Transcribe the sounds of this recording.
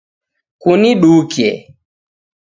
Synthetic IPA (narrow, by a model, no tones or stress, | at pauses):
kuniɗukɛ̰